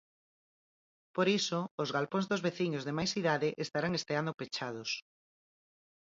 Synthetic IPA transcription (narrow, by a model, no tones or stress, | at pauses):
poɾisoːzɣalpõnzðozβeθiɲozðemajsiðaðeʔest̪aɾaŋest̪eand̪opet͡ʃað̞ʊs